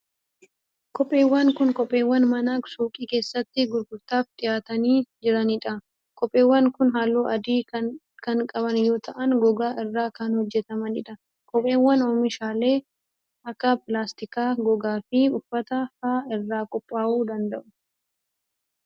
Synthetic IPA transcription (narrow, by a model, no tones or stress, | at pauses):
kɔpʼːe̞ːwːɐŋkʊnkɔpʼːe̞ːwːɐnmɐnaːksuːkʼiːke̞ːsːɐt̪ːɪɡʊɾɡʊɾt̪aːft̪ʼɪjaːt̪ɐniːd͡ʒɪɾɐnɪᶑɐ | kʼɔpʼːe̞ːwːɐŋkʊnɦaːlːuːʔɐd̪iː | kɐŋkʼɐβɐnjoːt̪ʰɐʔɐnɡɔɡaːʔɪrːaːkɐnhɔd͡ʒːɛt̪ɐmɐnɪᶑɐ | kɔpʼːe̞ːwːɐnɔːmɪʃaːle̞ː | ʔɐkːɐpʼɪlaːst̪ɪkaːɡɔɡaːfɪʊfːɐt̪ɐfaːɪrːaːkʼɔpʼːaːʔuːd̪ɐnd̪ɐʔʊ